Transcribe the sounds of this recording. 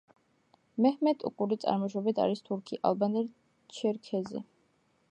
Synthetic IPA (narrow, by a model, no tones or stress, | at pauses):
mɛhmɛt̪ʼṵkʼuɾit̪sʼa̰ɾmɔʃɔbit̪ʰa̰ɾist̪ʰuɾkʰiʔalˠbanɛɾ | t͡ʃʰɛɾkʰɛzḭ